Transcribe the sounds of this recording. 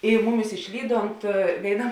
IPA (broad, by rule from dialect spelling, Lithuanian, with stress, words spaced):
ɪ ˈmʊˌmʲɪs ɪʃʲˈlʲiːˌdoːnt ʋʲeːɪˈnɐ